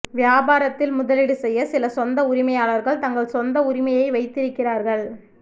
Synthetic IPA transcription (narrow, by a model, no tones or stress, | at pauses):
ʋɪjaːbaːɾɐt̪ːɪlmʊðɐlɪɽɯsɛjːɐsɪlɐsɔnd̪ɐʊɾɪmɐjaːɭɐɾɣɐɭt̪ɐŋɡɐɭsɔnd̪ɐʊɾɪmɐjɐɪʋɐɪt̪ːɪɾɯkːɪraːɾɣɐɭ